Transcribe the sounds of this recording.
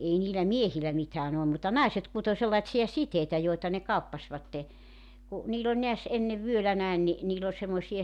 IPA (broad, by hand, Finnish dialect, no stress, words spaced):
ʔei niːlæ miehilˑæ mitæːn olːum mutːɑ nɑiset kuto selːɑĭtsiɑ siteitæ joitɑ ne kɑupːɑsʲʋɑtːe ku niːl olʲ neæs enːeʋ ʋyølæ næen ni niːl ol semːosiɑ